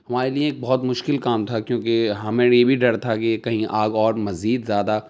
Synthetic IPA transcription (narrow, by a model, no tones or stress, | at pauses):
ɦɐmaːɾeliẽeːk̚bɐɦɔt̪mʊʃkɪlkaːmt̪ʰakjõːkeɦɐmẽjebʱiɖɐɾt̪ʰakekɐɦĩʔaːɡɔːɾmɐziːd̪zjaːd̪a